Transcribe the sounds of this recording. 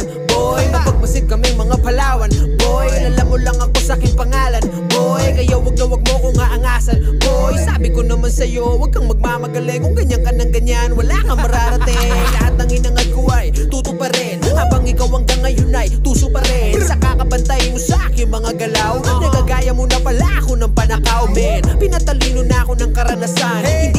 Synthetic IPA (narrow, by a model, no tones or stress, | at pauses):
bojmɐpɐɡ̚mɐsɪd̪̚kɐmɛŋmɐŋapɐlaːwɐnbojlɐlamolɐŋɐko̞sɐʔakɪŋpɐŋaːlɐn | bojkɐjawɐɡ̚nɐwɐɡ̚moɐkoŋaʔɐŋaːsɐnbojsaːbɪkonɐmansɐjo̞wɐɡ̚kɐŋmɐɡ̚mamɐɡɐlɛjkʊŋɡɐɲaŋkɐnɐŋɡɐɲanwɐlaːkɐŋmɐɾaːɾɐt̪ɪŋlɐhat̪̚ːɐŋɪnɐŋɐd̪̚kʊajt̪uːt̪ʊpɐɾɛnʔabaŋɪkawɐŋkɐŋːɐjʊnajt̪uːsʊpɐɾɛsɐkakɐbɐnt̪ajʊŋsɐʔaːkɪŋmɐŋaɡɐlawnɐkaɡaːjɐmonɐwɐlaʔkonɐŋpɐnɐkawmɛnpɪnɐt̪ɐliːnonɐɐkonɐŋkɐɾɐnɐsanhɪnd̪